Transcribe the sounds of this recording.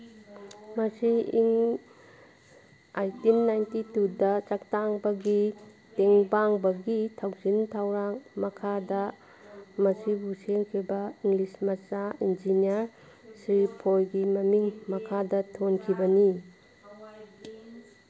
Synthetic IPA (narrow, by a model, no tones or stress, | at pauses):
mɐsiiŋ | ajtimnajntitudɐt͡ʃak̚taŋbɐɡi | teŋbaŋbɐɡitʰawzintʰawɾaŋmɐkʰadɐ | mɐsibuseŋkʰibɐiŋlismɐt͡ʃaind͡ʒiniɐɾ | sɾipʰojɡimɐmiŋmɐkʰadɐtʰonkʰibɐni